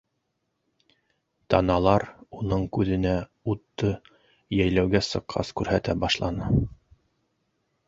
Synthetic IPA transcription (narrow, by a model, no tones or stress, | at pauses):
t̪ɑnɑlˠɑɾunɤɴkʉðɘ̆næ | ut̪ːɤ | jæjlæwɡæsɤ̆qʰːɑ̰skʉɾhæt̪æbɑʃlˠɑnɤ